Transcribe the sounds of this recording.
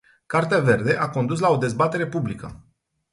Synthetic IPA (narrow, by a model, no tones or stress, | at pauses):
kart̪eave̞rd̪e̞ʔako̞nd̪us̬lao̞d̪e̞zbat̪e̞ɾe̞publikə̰